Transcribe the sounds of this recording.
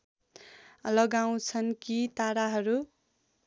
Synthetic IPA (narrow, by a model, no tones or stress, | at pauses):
lʌɡaw̃t͡sʰʌnkit̪aɽaɦʌɾu